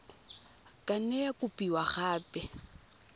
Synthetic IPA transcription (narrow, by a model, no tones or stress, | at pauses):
kʼanɛjakʊpʼiwaχaːpʼɛ